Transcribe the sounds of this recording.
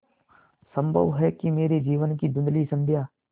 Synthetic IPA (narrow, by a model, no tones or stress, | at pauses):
sə̃mbʱə̰ʋɦɛːkimeːɾed͡ʒiːʋənkid̪ʊ̃nd̪lisə̃md͡ʒʱjaː